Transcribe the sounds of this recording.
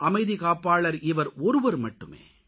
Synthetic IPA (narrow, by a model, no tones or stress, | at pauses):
ʔɐmɐɪðikaːpːaːɭɐɾɪʋɐɾɔɾɯʋɐɾmɐʈːɯmḛː